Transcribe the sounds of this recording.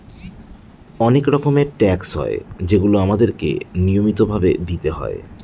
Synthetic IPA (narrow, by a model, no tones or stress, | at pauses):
ɔnekɾɔkomeʈɛksɦɔ̰ed͡ʑeɡuloamad̪eɾkḛniomit̪obʱabed̪it̪eɦɔ̰e